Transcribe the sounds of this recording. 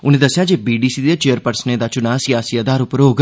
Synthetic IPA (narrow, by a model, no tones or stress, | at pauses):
ʊnẽːd̪əsjad͡ʒeːbiːɖiːsiːd̪et͡ʃejəɾpəɾsned̪aːt͡ʃʊnaːsijaːsiəd̪aːɾʊpɾoːɡ